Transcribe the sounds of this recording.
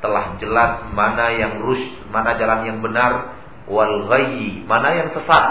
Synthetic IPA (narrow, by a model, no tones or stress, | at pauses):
t̪əlahd͡ʒəlasmanajaŋrʊʃ | manad͡ʒalanjaŋbənar | walɣajimanajaŋsəsat̪̚